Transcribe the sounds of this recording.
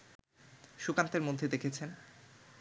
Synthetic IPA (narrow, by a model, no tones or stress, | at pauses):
ʃukant̪eɾmod̪ʱːed̪ekʰet͡ɕʰen